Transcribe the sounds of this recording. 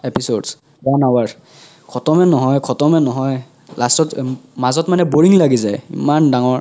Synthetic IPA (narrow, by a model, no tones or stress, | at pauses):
epʰisods | banawaɹ | kʰɔtɔmɛnɔɦɔjkʰɔtɔmɛnɔɦɔj | lastɔtmazɔtmanɛboɹiŋlaɡizajḭmandaŋɔɹ